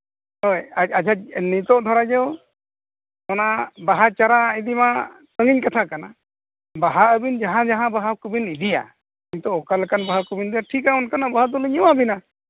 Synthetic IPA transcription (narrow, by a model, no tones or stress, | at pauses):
ɔjaad͡ʒʰʱanit̪ɔd̪ʱɔɾad͡ʒɛw | mɔnabaɦat͡ʃaɾaid̪imat̪əŋiɲkat̪ʰakana | baɦaəbind͡ʒaɦãd͡ʒaɦãbaɦakubinid̪ija̰ | iɲt̪ɔːkalɛkanbaɦakubind̪iaʈʰikaɔnkanabaɦat̪ɔliɲɔwabina